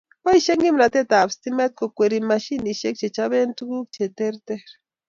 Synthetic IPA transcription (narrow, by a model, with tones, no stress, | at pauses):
o˦jʃe˦ŋɡi˦mla˨t̪e˦t̪a˨bst̪ime˦t̪̚ko˨kʷe˨ɾimaʃi˦ni˨ʃe˦k̚t͡ʃe˨t͡ʃaβe˦nt̪u˦ku˦k̚t͡ʃe˨t̪e˦ɾt̪e˦ɾ